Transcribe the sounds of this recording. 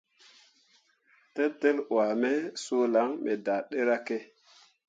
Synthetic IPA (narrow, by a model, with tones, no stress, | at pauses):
te˦tːe˦lwa˨me˦so˦la˨˦ŋmʔe˨da˨ɗe˦ɾa˦ke˦